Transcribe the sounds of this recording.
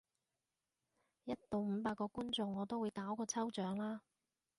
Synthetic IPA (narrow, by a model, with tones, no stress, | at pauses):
jɐ˥t̚t̪o˨wm̩˨˧paː˧kːɔː˧kuː˥nt͡sʊ˨˧ŋːɔː˨˧t̪o˥wu˨˧jkaː˨˥wkɔː˧t͡sʰɐ˥wt͡ʃœː˨˥ŋlaː˥